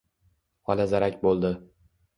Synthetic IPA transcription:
qɒlazaɾakʲbolˠd̪ɪ

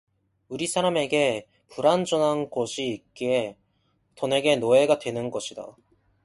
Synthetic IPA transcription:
uɾisʰaɾame̞ɡe̞ | puɾand͡ʑunanɡoɕʰiːk͈iɦe | t͡ɕʌne̞ɡe̞noe̞ɡadwe̞nɯnɡʌɕʰida̰

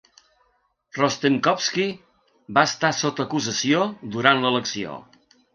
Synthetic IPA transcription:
rɔst̪eŋkɔpski | baəst̪asot̪əːkuzəsiod̪uɾanlələksio̰

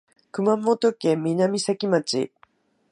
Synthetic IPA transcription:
kɯ̟mamot̪okẽmːʲinamʲisakʲimat͡ɕḭ

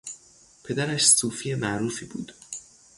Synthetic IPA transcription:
pʰe̞d̪æɾæʃsuːfijemæʔɾuːfiːbṵːd̪̥

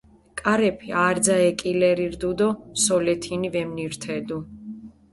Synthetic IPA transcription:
kʼaɾɛpʰiaːɾd̪zaɛkʼilɛɾiɾd̪ud̪ɔsɔlɛt̪ʰinivɛmniɾt̪ʰɛd̪u

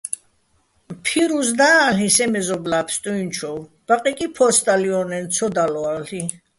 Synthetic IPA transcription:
pʰiɾusd̪alisɛmɛzɔblapʰst̪ʼuint͡ʃʰɔw | b̥aqʼikʼipʰɔst̪ʼaliɔnɛnt̪sʰɔd̪alɔali

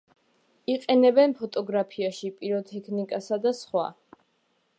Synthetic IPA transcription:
iqʼɛnɛbɛnpʰɔt̪ʼɔɡɾapʰiaʃipʼiɾɔt̪ʰɛkʰnikʼasad̪asχwa̰

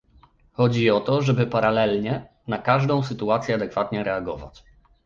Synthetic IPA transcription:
xɔd͡ʑiɔt̪ɔʐɛbɘpaɾalɛlɲɛ | nakaʐd̪ɔ̃w̃sɘt̪uat̪sʲjɛad̪ɛkfat̪ɲɛɾɛaɡɔva̰t͡ɕ

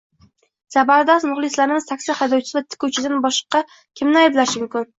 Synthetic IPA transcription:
sabaɾd̪ɒsnʊχlˠɪslaɾɪmɪz̥t̪ʰakʲsɪhajd̪ɒwt͡ʃʰɪ̥sɪvat̪ʰɪ̥kʲut͡ʃʰɪd̪anbɒʃqɑ | kʲʰɪmnɪajblaʃmʊmkʲʰʊn

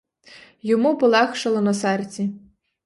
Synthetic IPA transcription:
jɔmupɔlˠɛxʃɐlˠɔnɐsɛrt͡sʲi

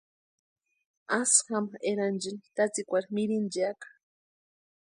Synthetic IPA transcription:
asxameɾand͡ʒinit̪at͡sikʷaɾmiɾind͡ʒakḁ

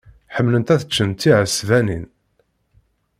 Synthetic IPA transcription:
ħəmːlənt̪æθət͡ʃːənt̪ːiʕəsvænin

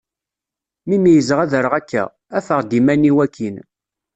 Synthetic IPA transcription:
mimijəzʁæðəɾəʁækːæ̰ | æfəʁd̪imæniwækʰːin

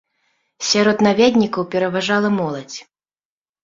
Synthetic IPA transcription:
sʲaɾɔt̪navʲad̪ʲnʲikɐwpʲɛɾɐvaʐalˠɐmɔlˠɐt͡sʲ

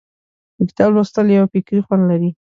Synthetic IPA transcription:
ɪɡt̪ɑlwast̪əljawapikɾixwand̪laɾi

